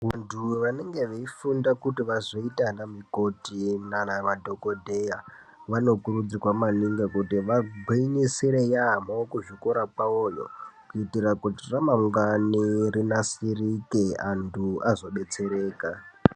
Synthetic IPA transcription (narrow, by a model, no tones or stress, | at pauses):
ʋantʰuʋaneŋɡe̞ʋeifundakutiʋazoitanamiko̞tinanaʋadʱo̞ko̞dʱeja | ʋano̞kuɾud͡zirwamaniŋɡakutiʋaɡʱiinisiɾejamaokuʐikoɾapaoːjo̰kuitirakutiramaŋɡanirinasirikeantʰuazo̞ɓet͡se̞ɾe̞ːka